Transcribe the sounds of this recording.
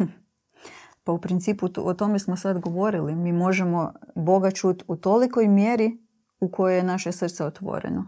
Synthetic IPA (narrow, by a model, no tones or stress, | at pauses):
paupɾint̪siːpuot̪o̞mesmo̞sad̪ɡo̞ʋo̞ɾilimiːmo̞ʒe̞mo̞bo̞ɡat͡ʃut̪ut̪o̞liko̞jmjeɾi | uko̞jojenaʃesr̩t̪seo̞t̪ʋo̞̰ɾḛno